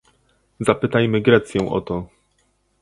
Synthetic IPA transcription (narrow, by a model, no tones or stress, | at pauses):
zapɘt̪ajmɘɡɾɛt̪sʲjɛ̃w̃ʔɔ̰t̪ɔ